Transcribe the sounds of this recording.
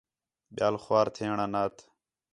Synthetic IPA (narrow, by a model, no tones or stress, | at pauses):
ɓɪjaːlxʊwaːɾt̪ʰeːɳaːnaːt̪ʰ